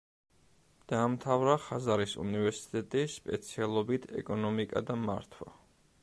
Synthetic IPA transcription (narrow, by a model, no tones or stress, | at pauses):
d̪̥aːmt̪ʰavɾaχazaɾisṵnivɛɾsi̥t̪ʼɛt̪ʼispʼɛt̪sʰialˠɔbit̪ʰɛ̰kʼɔnɔmikʼa̰d̪ama̰ɾt̪ʰwa̰